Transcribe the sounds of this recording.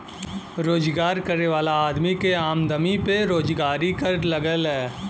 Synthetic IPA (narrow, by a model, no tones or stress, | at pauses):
ɾoːd͡ʒɡaːɾkɐɾeʋaːlaaːd̪mikeaːmd̪əmipeɾoːd͡ʒɡaːɾikəɾlɐɡəlɦɛː